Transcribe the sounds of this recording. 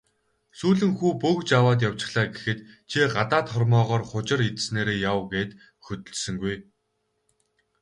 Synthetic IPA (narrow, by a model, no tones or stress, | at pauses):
suːɮɘ̆ŋxuːpɵkt͡ɕawaːt̪̬jaw̥t͡ɕɪ̆χɮaːɡexɘ̆t̪t͡ɕʰiɢat̪aːt̪χɔrmɔːʁɔːrχʊt͡ɕɪ̆ɾit̪sneːɾeːjawɡeːt̪ | xɵt̪ɵ̆ɮsɵ̆ŋɡuj